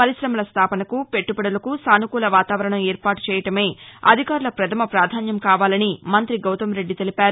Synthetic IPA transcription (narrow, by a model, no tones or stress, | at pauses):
pɐɾisɾɐmɐlɐst̪ʰaːpɐnɐkupe̞ʈːupɐɽɐlɐkusaːnukuːlɐʋaːt̪aːʋɐɾɐɳɐmeːɾpaːʈu̥t͡ʃɛːjɐʈɐme̞ːɐ̰d̪ʱikaːɾulɐpɾɐt̪ʰɐmɐpɾaːd̪ʱaːnjɐmkaːʋaːlɐnimɐnt̪ɾiɡɐwt̪ɐmɾe̞ɖːit̪elipaːɾu